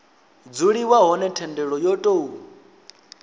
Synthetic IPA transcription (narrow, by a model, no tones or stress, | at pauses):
d͡zuɺiwaɦɔnɛtʰɛndɛɺɔjɔtʼou